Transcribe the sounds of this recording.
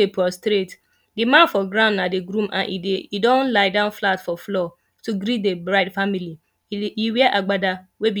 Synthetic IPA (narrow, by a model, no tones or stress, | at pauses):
epʰɾɔstɾet | dɪmãnfɔɡɾãʊ̃nnadeɡɾũmʔã̰nʔḭdeidɔ̃nlaɪdãʊ̃nflatfɔflɔ | tʰuɡɾit̚debɾaɪdfamili | iwɛʔaɡ͡bada | webi